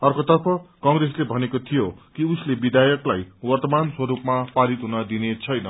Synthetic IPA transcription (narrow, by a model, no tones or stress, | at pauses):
ʌrkot̪ʌrpʰʌkʌŋreslebʱʌnekot̪ʰijokiuslebid̪ʱajʌklajwʌrt̪ʌmanswʌɾupmapaɾit̪ɦunʌd̪inet͡sʰʌjnʌ